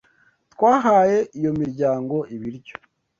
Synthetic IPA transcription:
t̪kwaːɦaːje̞ijo̞miɾɟaːŋɡo̞ʔiβiɾɟo

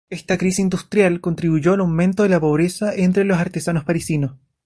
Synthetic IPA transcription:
est̪akɾisiind̪ust̪ɾjalko̞nt̪ɾiβuʝoalawme̞nt̪oðelapo̞β̞ɾesaʔent̪ɾelosaɾt̪esanospaɾisinos

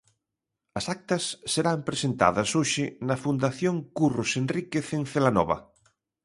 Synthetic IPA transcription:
ɐsak̚t̪ɐsːeɾampɾesent̪a̰ðɐsoʃɪnɐfund̪aθjoŋkurusenrikeθẽŋθelanɔ̰βɐ̰

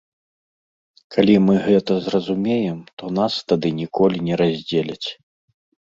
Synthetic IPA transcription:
kalʲimɨɣɛt̪ɐzrɐzumʲejɛmt̪ɔnast̪ad̪ɨnʲikʰɔlʲinʲɛɾazʲd͡zʲelʲɐt͡sʲ

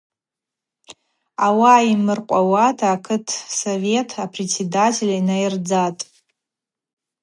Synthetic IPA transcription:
awaimɨrqʷʼawatʰaːkʰɨtʰsove̞tʰapʰret͡sʰːedatʰelʲainajɪrd͡zatʼ

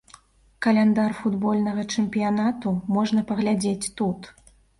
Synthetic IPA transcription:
kɐlʲɛnd̪arfud̪bɔlʲnɐɣɐt͡ʂɛmpʲijanat̪umɔʐnɐpɐɣlʲad͡zʲet͡sʲt̪ut̪

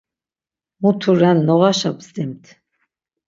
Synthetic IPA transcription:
mut̪ʰuɾɛnːɔʁaʃabzd̪imt̪ʰ

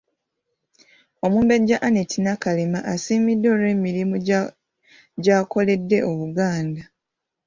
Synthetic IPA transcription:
o̞muːmbe̞ɟːaʔanetʰinakalemaʔasiːmidːo̞ːɾe̞ːmiɾimu | ɟaːko̞le̞dːe̞ʔo̞βuɡaːnda

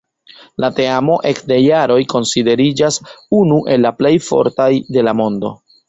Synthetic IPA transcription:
late̞amo̞ʔe̞kde̞jaɾo̞jko̞nside̞ɾid͡ʒasunuʔe̞lːaple̞jfo̞̰ɾtajde̞lamo̞ndo̞̰

